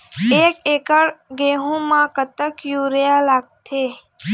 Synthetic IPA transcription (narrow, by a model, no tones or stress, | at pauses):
ekeːkəɽɡeɦũmãkət̪əkjuɾjalaːɡ̚t̪ʰe